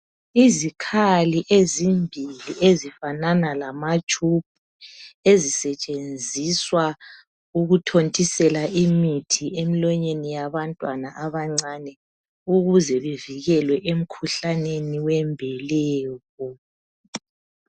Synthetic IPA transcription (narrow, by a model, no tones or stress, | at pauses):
izikʰaliʔezimbʱiliezifananalamat͡ʃʼup̚ʰuezisɛt͡ʃʼend͡zʱiswa | uɣutʰontʼisɛlaʔimitʰiemilɔɲenijaβantʼwanaʔaβaŋ͡ǀanɛ | uɣuzɛβeviɣɛlwɛʔem̩kʰuɬaneniwɛmbʱɛlɛːɣɔ